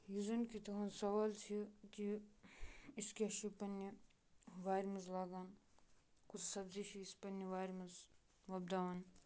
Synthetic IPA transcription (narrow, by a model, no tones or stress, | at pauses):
juzɐnkit̪ɐɦɐnsɐʋaːlt͡ʃʰiki | iskeʃipɐnːi | ʋaːjɾmɐzlaːɡaːn | kʰut͡ʃʰsɐbziʃiːspɐnːiʋaːjɾmɐz | ʋɐb̚d̪aːʋan